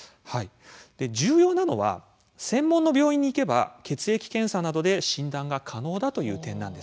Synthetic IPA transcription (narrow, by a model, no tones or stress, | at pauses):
hai | d̪̥e̞d͡ʑɨːjo̞ːnano̞̰βa̰ | sẽ̞mːõnːo̞bʲjo̞ːĩɲ̟ːiːke̞ba̰ke̞t͡sɨe̞kʲi̥kẽ̞ɰ̃sanad̪o̞d̪e̞ɕĩnd̪ãŋɡakʰano̞ːd̪at̪o̞jɯ̟̰ːt̪ẽ̞nːã̰nd̪e̞s